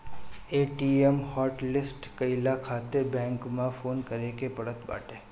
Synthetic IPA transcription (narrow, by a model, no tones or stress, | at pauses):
eʈiemhɔʈlɪsʈkəɪlakʰat̪ebɛ̃ŋkmãfoːnkəɾekepəɽət̪ba̰ːʈe